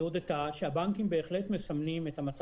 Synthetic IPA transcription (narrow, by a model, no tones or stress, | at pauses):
od̪etaʃeabaŋkimbe̞ːχle̞tme̞samnimet̪amat͡s